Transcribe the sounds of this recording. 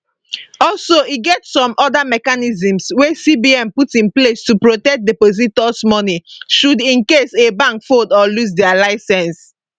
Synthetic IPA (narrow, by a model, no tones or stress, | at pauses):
ɔlsoiɡɛtsɔ̃mɔdamɛkanizĩmswesibiɛ̃mputĩnplestupɹotɛk̚depozitɔsmɔniʃudĩnkesebãŋkfodɔlus̬dɛalaɪsɛ̃ns